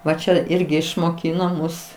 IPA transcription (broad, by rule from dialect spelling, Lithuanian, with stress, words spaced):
ˈʋɐ ˈt͡ʃʲɛ ˈɪrʲɡʲɪ ɪʃmoːˈkʲiːnoː ˈmʊs